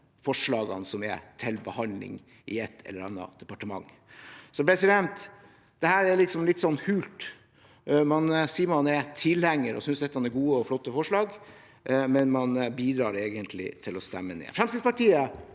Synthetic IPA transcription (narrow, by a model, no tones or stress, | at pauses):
fɔʂɭɑːɡɑ̰nsɔmɛ̰t̪ʰɪlbəhɑnd̪lɪ̰ŋ | ɪɛt̪ʰːɛ̰lːəɾɑnːɑ̰d̪̥ɛpɑʈəmɑ̰ŋː | sɔpɾɛsɪd̪ɛnt̪ | d̪̥ɛhæːɾæɾlɪksɔmlɪt̪ːsɔnːhʉːlt̪ | mɑnsiːmɔnɛt̪ʰɪlhæŋːəɾʔɔ̰sʏnsd̪ɛt̪ːəhɑnɛɾɡuːəɔflɔt̪ːəfɔʂɭɑːɡ | mɛnmɑnbiːd̪ɾɑːɾeːɡənt̪ʰlɪ̰t̪ʰɪlɔst̪ɛmːənḛːfɾɛmsiːd̪spɑʈiːə